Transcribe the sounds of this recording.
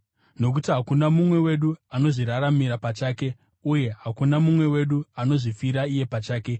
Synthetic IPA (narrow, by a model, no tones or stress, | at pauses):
no̞k̬utiɦakunamumwe̞we̞ɗuano̞ʐiɾaɾamiɾapat͡ʃaːke̞ | uje̞ɦakunamumwe̞we̞ɗuano̞ʐifiɾaije̞pat͡ʃaːke̞